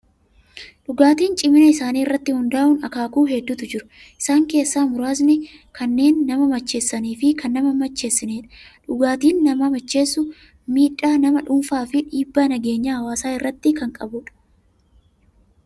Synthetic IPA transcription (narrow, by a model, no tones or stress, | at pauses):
ᶑʊɡaːt̪iːnt͡ʃʼɪmɪnɐɪsaːniːrːɐt̪ːɪhʊnd̪aːʔʊnɐkaːkʊnɦɛd̪ːʊt̪ʊd͡ʒɪɾʊ | ʔɪ̥saːŋke̞ːsːaːmʊɾaːs̬nɛ | kʰɐnːe̞ːnːɐmɐmɐt͡ʃːe̞ːsːɐniːfɪkɐnːɐmɐmɐt͡ʃːe̞ːsːɪneːᶑɐ̥ᶑʊɡaːt̪iːnːɐmɐmɐt͡ʃːe̞ːsːʊ | miːᶑaːnɐmɐᶑʊmfaːfɪᶑiːbːaːnɐɡe̞ːɲːahɐwaːsaːɪrːɐt̪ːɪkɐŋkʼɐbʊᶑɐ̥